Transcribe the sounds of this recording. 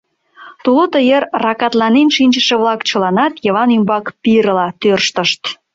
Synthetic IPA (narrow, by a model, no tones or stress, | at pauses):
t̪ulot̪əjerːɑkɑt̪lɑnenʃinʲt͡ʃəʃĕβlɑkt͡ɕə̆lɑnɑt̪jəβɑnymbɑkpiɾəlɑt̪ørʃt̪əʃt̪